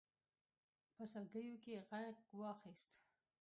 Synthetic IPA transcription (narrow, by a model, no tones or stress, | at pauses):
pəsalɡəjokeɣakwɑxist̪